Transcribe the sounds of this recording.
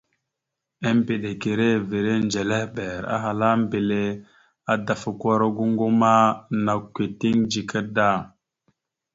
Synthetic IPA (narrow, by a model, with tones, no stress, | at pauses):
a˦mbe˨ɗe˨ke˨ɾe˦ve˨ɾe˦nd͡ʒe˨le˦hbɛ˨ɾa̰˦ɦa˨la˦m˦be˨le˦ | a˨da˨fa˨kʷa˦ɾa˦ɡu˦ŋɡo˦ma˦na˨kːʷe˨ti˦ŋd͡ʒi˨kə˦da˦˨